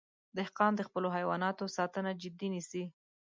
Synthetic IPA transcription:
d̪əhqɑmd̪əxpəloɦajwɑnɑt̪osɑt̪ənad͡ʒɪd̪inisi

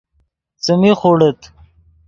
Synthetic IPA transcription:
t͡səmixoɽet̪ʰ

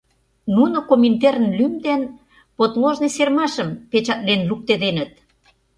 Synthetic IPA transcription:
nunokomint̪eɾənlymd̪en | pot̪loʒnesermɑʃə̆mpet͡ɕɑt̪̚lenluk̚t̪ed̪enə̆t̪̚

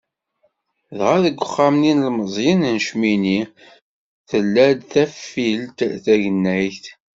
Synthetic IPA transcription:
ðʁaðəɡʷːəχːamninlməzˤjinnʃmini | θəlːæd̪θæfːilt̪θæʝənːæjθ

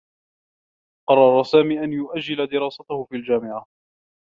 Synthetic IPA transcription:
qɑrˤːɑɾˤɑsaːmiːʔanjʊʔad͡ʒːɪlad̪ɪɾɑːsat̪ahʊfiːld͡ʒaːmɪʕa

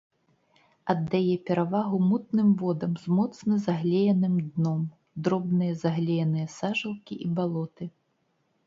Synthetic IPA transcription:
ɐd̪ːajɛpʲɛɾavaɣumut̪̚nɨmvɔd̪ɐmzmɔt̪snɐzaɣlʲejɐnɨmd̪nɔm | d̪ɾɔbnɨjɐzaɣlʲejɐnɨjɐsaʐɐlˠkʲiʔibalˠɔt̪ɨ

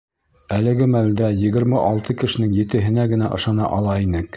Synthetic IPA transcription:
ælɘ̆ɡɘmæld̪æjɘ̆ɡɘ̆ɾmɘʔɑlˠt̪ʰɤkɘ̆ʃɘ̆nɘŋjɘ̆t̪ɘ̆ɦɘ̆næɡɘ̆næʔɤ̆ʃɑnɑ̰ʔɑlˠɑinɘk

